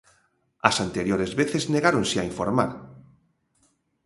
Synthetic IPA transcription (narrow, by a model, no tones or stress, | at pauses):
asant̪eɾjoɾezβeθezneɣaɾõnseaiɱfoɾma̰ɾ